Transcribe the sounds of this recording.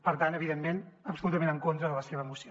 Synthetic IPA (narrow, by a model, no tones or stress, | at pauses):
pəɾt̪anəβiðemmenəpsulut̪əmẽnəŋkont̪ɾəðələseβəːmusio